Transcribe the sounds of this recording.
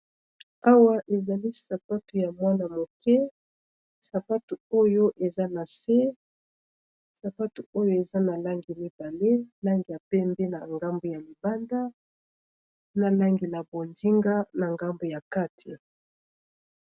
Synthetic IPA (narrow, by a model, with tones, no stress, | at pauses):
a˦wa˦ʔe˨za˨li˦sa˨pa˦tu˨ja˨mwa˦na˨mo˨kɛ˦ | sa˨pa˦tu˨o˦jo˦ʔe˨za˦na˨se˦ | sa˨pa˦tu˨o˦jo˦e˨za˦na˨la˦ŋɡi˨mi˦ba˨le˦la˦ŋɡi˨ja˨pɛ˦mbɛ˦na˨ŋɡa˦mbo˨ja˨li˨ba˦nda˦ | na˨la˦ŋɡi˨la˨bo˨ndi˦ŋɡa˦na˨ŋɡa˦mbo˨ja˨ka˦tʰi˨